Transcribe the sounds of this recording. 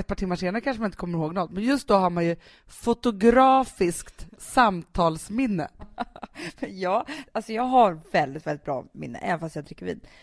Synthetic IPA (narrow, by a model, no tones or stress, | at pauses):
ɛt̪̚pʰɑːʈʰɪmːaɾʂeːnaɾəkʰanʂəmanɪnt̪əkʰɔmːəɾhoːɡnɔt̪ːmɛnjɵst̪̚d̪ɔɦaɾmanjɵ | fʊt̪ʊɡɾɑːfɪskt̪samt̪ʰɑːlsmɪnːə̰ | mɛnjɑːalsɔjɑːɡɦaɾvɛld̪ɪt̪vɛlɪt̪bɾɑ̰ːmɪ̰nːə̰ʔɛ̰nfast̪jaːd̪ɾɪkːəɾvḭːd̪